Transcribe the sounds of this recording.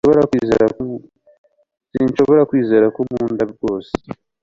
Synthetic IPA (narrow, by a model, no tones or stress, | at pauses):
βoɾakizḛɾa | sinʃo̞βo̞ɾakwiːzeɾakumuːndabɡo̞ːse̥